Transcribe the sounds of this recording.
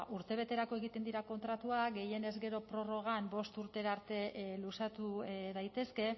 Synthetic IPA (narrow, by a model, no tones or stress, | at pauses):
uɾt̪e̞β̞e̞t̪e̞ɾako̞e̞ɣ̞it̪e̞nd̪iɾako̞nt̪ɾat̪uaɡe̞je̞ne̞zɡe̞ɾo̞pɾo̞ro̞ɣ̞ambo̞st̪uɾt̪e̞ɾaɾt̪e̞lusat̪uðajt̪e̞ske̞